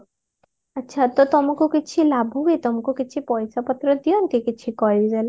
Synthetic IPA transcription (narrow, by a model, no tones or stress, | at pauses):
ətːʃʰat̪ot̪ɔmukokit͡ʃʰilabʱuɡet̪ɔmukokit͡ʃʰipɔjsapət̪ɾəd̪ijɔnt̪ikɪt͡ʃʰikɔjid͡ʒale